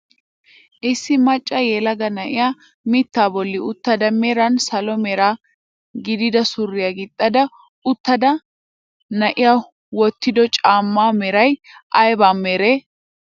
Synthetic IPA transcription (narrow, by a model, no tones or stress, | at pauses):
ʔɪsːɪmɐt͡ʃʼːɐjɛːlɐɡɐnɐʔɪ̰jaː | mɪt̪ːaːbɔlːɪʊt̪ːɐd̪ɐmɛɾɐnsɐlɔmɛɾaː | ɡɪd̪ɪd̪ɐsʊrːɪjaɡɪt̪ʼːɐd̪ɐ | ʊt̪ːɐd̪ɐ | nɐʔɪjaː | wɔt̪ːɪd̪ɔt͡ʃʼaːmːaːmɛɾɐjʔɐjbaːmːɛɾeː